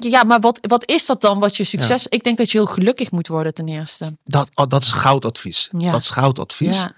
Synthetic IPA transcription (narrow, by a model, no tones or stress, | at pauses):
kjəjamaɹʋɑtʋɑtɪsdɔt̚dɑnʋɑtjəsyksɛsɪɡ̚dɛŋk̚dɔtjəɦɪːlˠxəlɵkəxmutʋɔɹdətɛnɪːɹstədtdɔtɪ̥sχawtɑtfisdɔtɪ̥sχawtɑ̰tfis